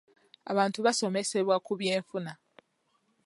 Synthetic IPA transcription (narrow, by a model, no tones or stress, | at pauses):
a̰βaːntuβaso̞me̞se̞βwakuβje̞ːɱfuna